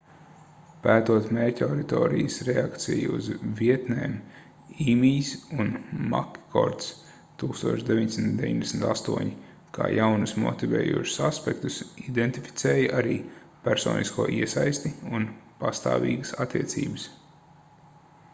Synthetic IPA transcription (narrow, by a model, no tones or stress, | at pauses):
pæːt̪uɔt̪mɛːcʲaɾit̪ɔ̰ːɾijəsɾɛakt̪sḭj̰ṵzviɛt̪nɛːm | imiːsunma̰kkʰɔ̰ɾt̪s | t̪uːkst̪uɔt͡ʃd̪eviɲd̪ʲsimnt̪d̪ʲeviɲd̪ʲesm̩t̪ast̪uɔɲi | kʰa̰ːjawnusmɔ̰t̪ivɛ̰ːjṵɔːʃʊ̥saspɛkt̪usid̪ɛnt̪ifi̥t̪sɛːjɐʔaɾiː | pʲæɾsɔ̰ːniskuɔʔiɛsajst̪iunpast̪a̰ːvḭːɡəsat̪ːiɛt̪sḭːbəs